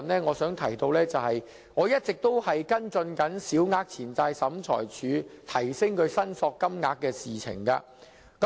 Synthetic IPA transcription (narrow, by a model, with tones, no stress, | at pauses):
nlɛː˥ŋɔː˨˧sœː˨˥ŋt̪ʰɐ˨˩jt̪o˧wlɛː˥t͡sɐ˨whɐ˨j | ŋɔː˨˧jɐ˥t̚t͡sɪ˨k̚t̪o˥whɐ˨jkɐ˥nt͡sɵ˧nkɐ˨˥nsiː˨˥wŋaː˧k̚t͡sʰiː˨˩nt͡saː˧jsɐ˨˥mt͡ʃʰɔ̰ː˨˩jt͡ʃʰyː˨˥t̪ʰɐ˨˩jsɪ˥ŋkɵ˧ɥsɐ˥nsɔː˧kːɐ˥mŋaː˧k̚ːɛː˧siː˨t͡sʰɪ̰˨˩ŋkɐ̰˧ | kɐ˨˦